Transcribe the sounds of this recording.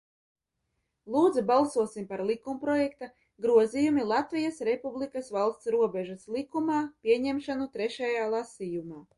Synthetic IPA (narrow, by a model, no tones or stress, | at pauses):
lˠuːd̪zibalˠsuɔsimpaɾlˠikumpɾɔjɛkt̪a | ɡɾuɔzijumilˠat̪vijasɾepublˠikasvalˠst̪sɾuɔbɛʒaslˠikumaːpʲiɛɲɛmʃanut̪ɾɛʃɛjaːlˠasijumaː